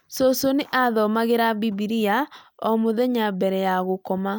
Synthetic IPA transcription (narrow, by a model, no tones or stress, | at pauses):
sosoneʔaðɔmaɣeɾabibiɾiaɔmoðɛɲabɛɾɛjaɣokɔma